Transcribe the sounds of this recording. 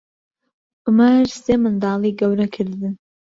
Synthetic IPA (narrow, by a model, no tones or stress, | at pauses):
ʔʊmɐɾseːmɨnd̪ɑːlˠiːɡɐwɾɐkʰɨɾd̪ɨ